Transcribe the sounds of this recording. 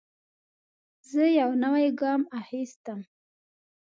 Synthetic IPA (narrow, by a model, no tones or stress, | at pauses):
zəjawnawajɡɑmaxist̪əm